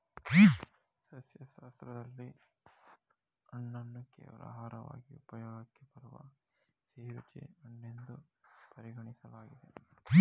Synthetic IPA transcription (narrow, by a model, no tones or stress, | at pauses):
sɐsjɐʃaɐst̪ɾɐd̪ɐlːi | ɐɳːɐnːɐkːḛːʋɐ̰lɐ̰ɦaːɾɐʋa̰ːɡiupɐjoːɡɐkːepɐɾuʋɐ̰ | t͡ʃeːɾut͡ʃḛɐɳɖend̪upɐɾiɡɐɳisɐlaːɡid̪e